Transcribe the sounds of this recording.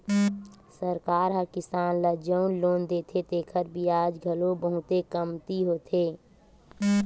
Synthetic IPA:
səɾkaːɾɦəkɪsaːnləd͡ʒəʊnloːnd̪eːt̪ʰet̪eːkʰəɾbʱiaːd͡ʒɡʱəlobəɦʊt̪ekəmt̪iɦoːt̪ʰeː

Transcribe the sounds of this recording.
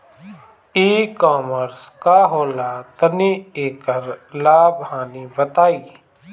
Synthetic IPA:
iːkɔːməɾskaɦoːlat̪ənieːkəɾlaːbhaːnibət̪aːiː

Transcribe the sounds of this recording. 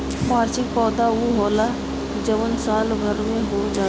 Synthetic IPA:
maːɾt͡ʃɪk̚pɔːd̪auɦɔːla | d͡ʒəʋənsaːlɡʱəɾmẽɦod͡ʒaː

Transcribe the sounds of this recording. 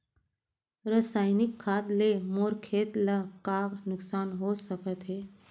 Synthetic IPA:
ɾəsajnikʰːad̪lemoɾkʰet̪ləkaɡnʊksanɦosəkət̪ɦe

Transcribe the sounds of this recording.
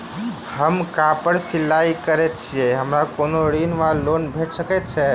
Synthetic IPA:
həmkapəɽsilːaikəɾɛt͡ʃʰijɛɦəmɾakonoɽinʋalonbʱeʈsəkɛt͡ʃʰɛ

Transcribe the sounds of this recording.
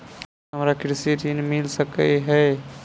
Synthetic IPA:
ɦəmɾakɾɪsiɾinmilsəkəɦɛ

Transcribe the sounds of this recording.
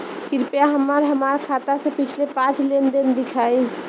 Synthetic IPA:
kiɾpjaɦəmːəɾɦəmaɾkʰat̪asə̃pit͡ʃʰlepãt͡ʃlend̪end̪ikʰaj

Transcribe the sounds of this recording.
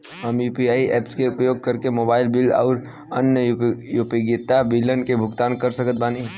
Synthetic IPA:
ɦəmjuːpiaːiʔɛːpskeʊpəjoːɡ̚kəɾkemoːbaːɪlbɪlɔ̰ːɾ | ənjəjupeɡɪt̪abɪlənkebʱʊɡt̪aːnkəɾsəkət̪̚baːni

